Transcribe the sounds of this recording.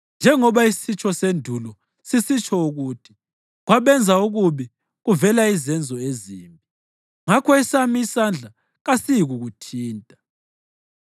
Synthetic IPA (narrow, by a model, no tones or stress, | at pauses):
nd͡ʒʱɛŋɔβaisit͡ʃʰʼɔsendʱulɔ | sisit͡ʃʰʼɔuɣutʰi̥ | ɣwaβɛnd͡zʱauɣuβi | ɣuvɛlaizɛnd͡zʱɔeziːmbʱi | ŋakʰɔisamiisand͡ɮʱa | ɣasijiɣuɣutʰiːntʼḁ